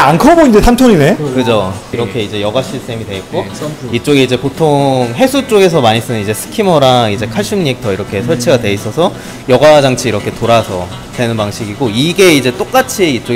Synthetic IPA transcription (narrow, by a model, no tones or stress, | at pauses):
ankʰʌɡoind͡ʑe̞sʰampʰʌnine̞kɯd͡ʑoiɾʌkʰe̞id͡ʑe̞jʌɡaɕ͈ʰist͈ʰe̞midwe̞it̚k͈oit͡ɕ͈oɡiid͡ʑe̞potʰoŋɦe̞sʰut͡ɕ͈oɡe̞s̬ʰʌmaɲis͈ɯnɯnid͡ʑe̞sʰɯ̥kʰimʌɾaid͡ʑe̞kʰaɭɕ͈ʰɯmɲik̚tʰʌiɾʌkʰe̞sʰʌɭt͡ɕʰeɡadwe̞is͈ʌsʰʌ | jʌɡad͡ʑaŋt͡ɕʰiiɾʌkʰe̞toɾasʰʌ | twe̞nɯnpaŋɕʰiɡiɡoiɡe̞id͡ʑe̞t͈ok͈at͡ɕʰiːt͡ɕ͈o